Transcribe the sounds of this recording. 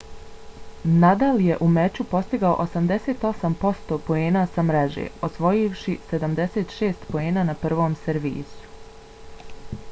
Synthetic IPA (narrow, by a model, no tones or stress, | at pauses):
nad̪alje̞ʔumet͡ɕupo̞st̪iɡao̰ʔosamd̪e̞se̞ːt̪o̞sampo̞st̪o̞po̞e̞ːnasamɾeʒḛosʋo̞jiʋʃise̞d̪amd̪e̞set̪ʃeːst̪poeːnaːnapr̩ʋo̞ːmseɾʋḭːsu̥